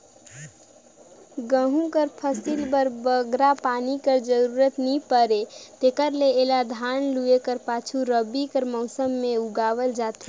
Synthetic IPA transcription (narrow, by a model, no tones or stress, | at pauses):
ɡə̃ɦũkəɾpʰəsilbəɾbəɡɾapanikəɾd͡ʒəɾuɾət̪nipəɾet̪ekəɾleːlad̪ʱanluekəɾpat͡ʃʰuɾəbikəɾmɔʊsəmːeuɡaβəld͡ʒat̪i